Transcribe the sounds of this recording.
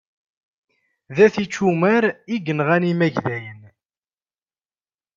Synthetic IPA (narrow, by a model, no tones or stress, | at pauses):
ðæθit͡ʃːumæɾiɡənʁænimæʝðæjən